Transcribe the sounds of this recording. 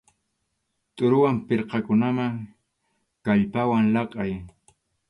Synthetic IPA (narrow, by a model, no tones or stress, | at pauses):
t̪ʼʊɾʊwampɪɾqɑkʊnamaŋ | kaʎpawaŋlɑqʼɑj